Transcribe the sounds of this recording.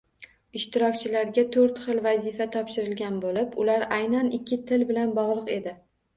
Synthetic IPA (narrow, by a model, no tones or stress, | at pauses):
ɪʃt̪ɪɾɒkʲt͡ʃʰɪlaɾɡʲat̪ʰoɾt̪χɨlˠvazɪfat̪ʰɒpʃɪɾɪlɡʲanbolɪpʊlaɾajnanɪkʲʰːɪt̪ʰɪlbɪlanbɒʁlˠɨqe̞d̪ɪ